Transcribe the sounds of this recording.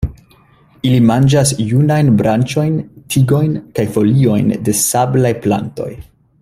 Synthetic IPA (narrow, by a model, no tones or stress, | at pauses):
ilimand͡ʒasjunajnbɾant͡ʃo̞jntʰiɡo̞jnkajfo̞lio̞jnde̞sablajpla̰nto̞̰j